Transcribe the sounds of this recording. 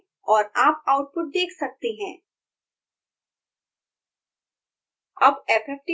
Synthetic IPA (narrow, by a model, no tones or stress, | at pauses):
ɔːɾaːpaːʊʈ̚pʊʈ̚d̪eːkʰsɐk̚t̪eɦɛ̃ː | ɐbɛːpɾɛːk̚ʈi